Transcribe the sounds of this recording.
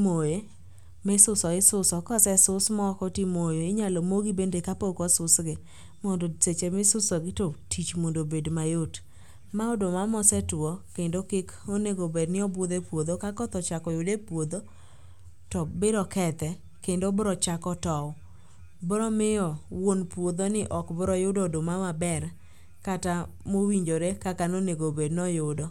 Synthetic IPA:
moje | mɪsʊsɔɪsʊsɔkɔsɛsʊsmɔkɔtimojoɪɲalomoɡibendekapokɔsʊsɡɪ | mɔndoset͡ʃemɪsʊsɔɡɪtotʰit͡ʃmondobedmajot | maɔdomamɔsɛtɔkendokɪkoneɡobednɪɔbod̪epwod̪okakɔt̪ɔt͡ʃakɔjodepwod̪o | tɔbɪɾɔkɛt̪ɛ | kendobɾɔt͡ʃakɔtɔw | bɾɔmɪɔwonpwod̪onɪʔɔkbɾɔjʊdɔdomamabɛr | katamowiɲd͡ʒoɾekakanoneɡobednɔjʊdɔ

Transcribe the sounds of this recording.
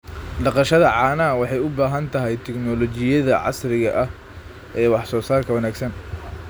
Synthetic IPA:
ɖɑqɑʃɐðɐʕɑːnaːwɑħɑjʊbaːɦɐnt̪ʰɐɦɛjt̪ʰɛknɔlɔt͡ʃɪjɐðɐʕɑ̰sɾɪɣɐʔɐh | ʔɛːwɑħsɔːsaːrkʰɐwɐnaːɡsɐn

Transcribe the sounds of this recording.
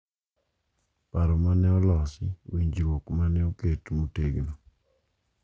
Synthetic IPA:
paɾɔmanɛɔlɔsɪ̰wiɲd͡ʒɾwokmanɛoketmoteɡno

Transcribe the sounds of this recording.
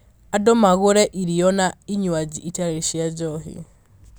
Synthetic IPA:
adɔmaɣʊɾɛʔiɾijɔnaiɲwad͡ʒiʔitaɾeʃiad͡ʒɔɦḭ

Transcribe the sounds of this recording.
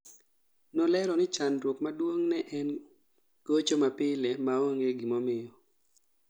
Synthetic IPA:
nɔlɛɾɔnɪt͡ʃanɾwokmadwoŋnɛʔɛn | ɡot͡ʃomapɪlɛmaoŋeɡimɔmɪjɔ

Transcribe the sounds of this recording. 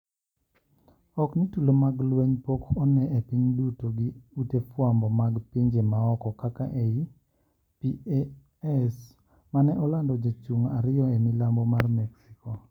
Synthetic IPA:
ɔknitulomaɡlweɲpokɔnɛepiɲdutoɡɪutefwambɔmaɡpiɲd͡ʒemaɔkɔkaka̰ʔei | pi | ɛs | manɛʔɔlandɔd͡ʒat͡ʃuŋaɾɪɔemilambɔmarmɛksikɔ

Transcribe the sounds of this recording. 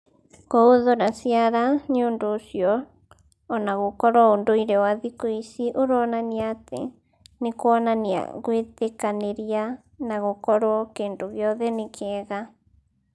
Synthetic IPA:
ɣɔoðonasiaɾaɲoːndosjɔː | naɣokɔɾɔondoiɾɛwaðikoisiʔoɾɔnaniat̪ḛ | nekoanania̰ɣwet̪ekaneɾia | naɣokɔɾoɔkendoɣjɔðenekʰɛːɣa

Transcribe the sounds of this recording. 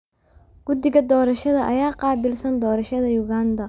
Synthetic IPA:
ɡ̥ʊd̪ɪɣɐd̪ɔːɾɐʃɐðɐʔɐjaːqɑːbɪlsɐnd̪ɔːɾɐʃɐðɐjʊɣaːnd̪ɐ

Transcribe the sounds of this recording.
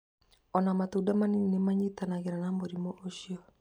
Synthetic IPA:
ɔnamatudamanininemaɲitanaɣeɾanamoɾimoʔoʃiɔ

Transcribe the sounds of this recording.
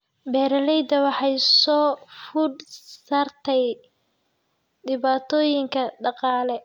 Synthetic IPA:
bɛːɾɐlɛjd̪ɐwɑħɑjsɔːfʊɖsaːrt̪ʰɛj | ɖɪβaːt̪ʰɔːjɪŋkʰɐɖɑqɑːlɛ

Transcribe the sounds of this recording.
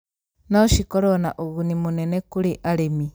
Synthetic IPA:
naoʃikolona̰ʔoɣunimunenekuliʔalemi

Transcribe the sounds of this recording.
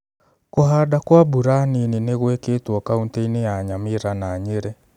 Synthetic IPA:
koɦadakwabuɾanineneɣweketwɔkaunteinejaɲameɾanaːɲeɾɛ

